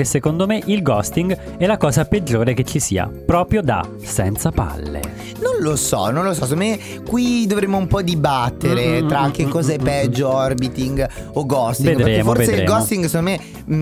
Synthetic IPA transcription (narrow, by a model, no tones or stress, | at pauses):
kesːekond̪omeʔilɡɔst̪iŋɡ | ɛlakɔːzaped͡ʒːoːɾeket͡ʃːisiːa̰pɾɔːpɾjod̪a̰ | sɛ̰nt̪sapa̰lːḛ | nonlosɔ̰nõnlosɔs̬ek̬ond̪me | kwid̪ovɾemːoumpɔd̪ibat̪ːeɾet̪ɾak̟ːekːɔːzaɛpːɛd͡ʒːoɔrbit̪iŋɡ | oɡɔst̪ived̪ɾeːmoovedseɾḛːɡɔst̪iŋɡsekonome